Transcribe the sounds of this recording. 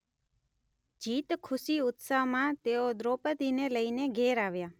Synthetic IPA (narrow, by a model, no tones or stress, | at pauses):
d͡ʒit̪kʰʊsiʊt̪saʋmãt̪eod̪ɾopəd̪ineləineɡʱeɾaʋja